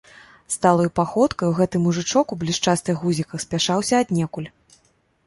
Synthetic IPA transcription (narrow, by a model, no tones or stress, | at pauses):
st̪alˠɐjupaxɔt̪kɐjwɣɛt̪ɨmuʐɨt͡ʂɔkublʲiʂt͡ʂast̪ɨɣuzʲikɐxsʲpʲaʂawsʲɐːd̪ʲnʲɛkulʲ